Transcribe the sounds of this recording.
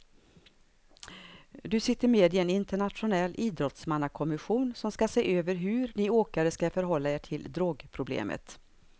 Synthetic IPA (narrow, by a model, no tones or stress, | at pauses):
d̪ɵsɪt̪ːəɾmeːd̪ɪɛnɪnt̪əɳat̪ɧʊnɛlːʔiːd̪ɾɔt̪smanːakʰɔmɪɧuːnsɔmskaseːʔøːvəɾɦɵɾnɪoːkaɾəskafœɾɦɔlːaeːʈʰɪld̪ɾoːɡpʰɾʊblḛːmʔə̰t̪